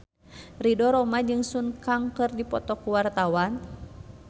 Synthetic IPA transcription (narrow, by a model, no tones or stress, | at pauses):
ridɔɾɔmad͡ʒɨŋsunkaŋkɨrdipɔt̪ɔkuwart̪awan